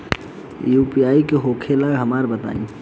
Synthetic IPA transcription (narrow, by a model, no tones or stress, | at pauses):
juːpijaːikeɦokʰelaːɡɦəmaːɾbət̪a̰ːḭ̃